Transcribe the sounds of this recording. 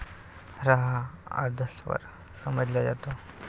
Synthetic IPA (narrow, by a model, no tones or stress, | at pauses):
ɾaɦaa̰ɾd̪ʱəsʋə̰ɾ | səməd͡zljajat̪o